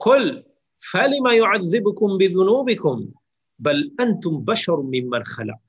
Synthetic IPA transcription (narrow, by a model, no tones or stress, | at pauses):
qʊl | falɪmajʊʕaðːɪbʊkʊmbɪðʊnuːbɪkʊm | balʔant̪ʊmbaʃɑɾˤmɪmːanxalɑ̰q̚